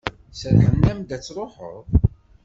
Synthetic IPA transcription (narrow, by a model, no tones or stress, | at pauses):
səɾħənːæmd̪æt͡sːɾˤoħə̰ɾˤ